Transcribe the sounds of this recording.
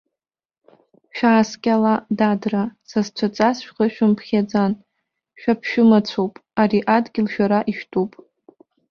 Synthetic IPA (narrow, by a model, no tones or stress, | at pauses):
ʃᶣaːskʲʼaladadrasazt͡ɕʷʰat͡sʼasʃᶣqəʃᶣʊmpʰχʲad͡zan | ʃᶣapʰʃᶣʊmat͡sʷʰowpʼaɾiʔadɡʲɪlʃᶣaɾaʔiʃᶣtʼopʼ